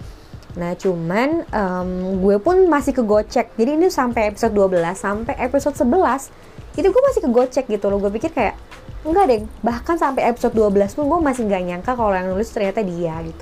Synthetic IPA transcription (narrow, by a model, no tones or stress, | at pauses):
naht͡ʃumanəmɡuɛpʊnmasɪhkəɡot͡ʃɛk̚d͡ʒadiːnisampɛepi̥sɔt̪̚duabəlasːampɛʔepisot̪səbəlas | it̪uɡuɛmasɪhkəɡot͡ʃɛk̚ɡit̪ulʊhɡuɛp̬ikɪrkaja̰ʔ | əŋɡadɛŋbahkansampɛepi̥sɔt̪̚duabəlaspʊnɡuɛmasɪhŋɡaɲaŋkakalojaŋnulɪst̪ərɲat̪adiaɡit̪u